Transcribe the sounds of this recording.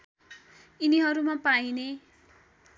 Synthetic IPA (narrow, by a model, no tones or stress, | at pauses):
iniɦʌɾumapaine